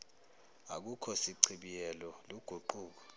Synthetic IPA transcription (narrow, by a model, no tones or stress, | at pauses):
a̰k̬ukʰɔsiǀʰiɓijɛlɔloɡ̥ʱuǃuːk̬ɔ̥